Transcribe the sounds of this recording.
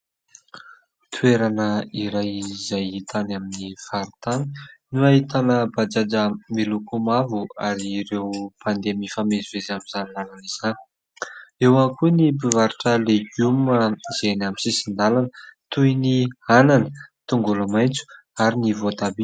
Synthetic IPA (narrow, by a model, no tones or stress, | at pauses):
t̪ʰueɾanəiɾajizajit̪ʰanaminifaɾit̪ani̥nuait̪anəbad͡ʒad͡ʒəmilukumavuaɾiɾewpʰand̪emifamezivezamizanlalaniz̥a | ewankunibivaɾiʈ͡ʂəleɡuməzenamisisind̪alanət̪ujniananət̪uŋɡulamajnt͡su̥ | aɾinivot̪abi